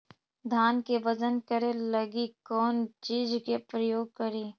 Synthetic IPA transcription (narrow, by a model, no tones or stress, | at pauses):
d̪ʱaːnkeʋɐd͡ʒənkəɾelɐɡikɔːnt͡ʃiːd͡ʒkepɾəjoːɡ̚kəɾiː